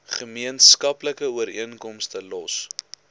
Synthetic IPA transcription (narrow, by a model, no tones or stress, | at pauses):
χəmiənskɐpləkəuəɾiənkɔmstəlɔs